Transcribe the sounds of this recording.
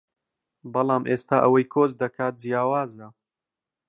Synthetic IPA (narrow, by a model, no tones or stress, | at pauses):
bɐlˠɑːmʔeːst̪aːʔɐwɐjkʰoːzd̪ɐkʰaːt̪̚d͡ʒijaːwaːzɐ